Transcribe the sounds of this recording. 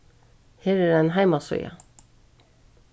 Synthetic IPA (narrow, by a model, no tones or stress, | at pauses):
heːɾæɾæɪnɦæɪmasɔ̰jɑ̰